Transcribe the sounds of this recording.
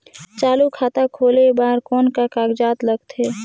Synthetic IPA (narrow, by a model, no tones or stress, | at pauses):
t͡ʃaːlukʰaːt̪akʰoːlebaːɾkɔːnkakaːɡd͡ʒaːt̪ləɡt̪ɦeː